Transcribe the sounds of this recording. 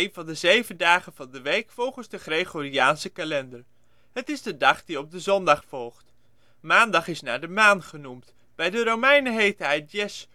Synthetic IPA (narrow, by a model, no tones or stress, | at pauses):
ejnvɑndəzejvəndaːχənv̥ɑndəʋejkfɔlˠχənzdəχrejχoːriaːnsəkalɛndər | ɦətɪzdədɑχdiɔb̚dəzɔndɑχfɔlˠχt | maːndɑχɪsna̰ːdəmaːnχənumt | b̥ɛjdəɾomɛjnəɦejtəɦɛjɛs